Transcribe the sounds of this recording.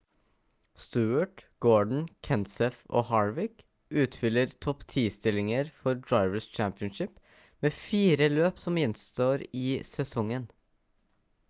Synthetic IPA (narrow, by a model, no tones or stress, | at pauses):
st̪ʉːəʈɡ̥oːɖɳ̩kʰɛnsɛfo̰ːhɑːɹʋɪk | ʉːt̪fʏləɾt̪ʰɔpt̪ʰiːst̪ɪlɪŋəɾfɔɾdɹɑɪʋəst͡ʃæmpɪənʃɪp | meːfiːɾəløːpsɔmjɪnst̪oːɾiːsɛsɔŋən